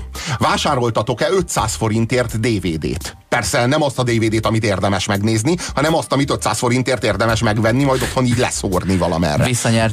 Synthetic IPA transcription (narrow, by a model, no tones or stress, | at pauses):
vaːʃaːɾo̞lt̪ɒt̪o̞kɛøt̪sa̰ːsfo̞ɾint̪eːrt̪d̪eːveːd̪ḛːt̪ | pɛrsɛnɛmɒst̪ɒd̪eːveːd̪eːt̪ɒmit̪eːrd̪ɛmɛʃmɛɡneːznihɒnɛmɒst̪ɒmit̪øt̪sa̰ːsfo̞ɾint̪eːrt̪eːrd̪ɛmɛʃmɛɡʋɛnːimɒjd̪o̞t̪ho̞niːɟlɛ̰soːrnivɒlɒmɛ̰rːɛ̰visːɒɲɛr